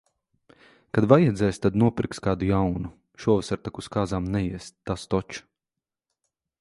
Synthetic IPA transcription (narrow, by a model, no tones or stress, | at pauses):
kad̪vajɛd̪zʲɛːjst̪ad̪nuɔpɾikskaːd̪ujawnu | ʃuɔvɛsaɾt̪akuskaːzaːmnɛjiɛsast̪ɔt͡ʃu̥